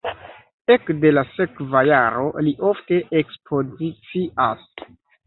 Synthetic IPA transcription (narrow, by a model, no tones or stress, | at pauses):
e̞kde̞lase̞kvajaɾo̞liʔo̞fte̞ʔekspʰo̞zit͡siʔas